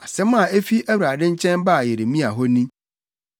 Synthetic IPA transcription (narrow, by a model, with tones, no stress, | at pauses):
a˨sɛ˦mã˨e˦fi˦æ˦wɾa˨dɪ̃˦ɲ̩˦t͡ɕʰɛ̃˦nba˦˨je˨ɾe˨mĩ˦a˨ɦɔ˦nĩ˦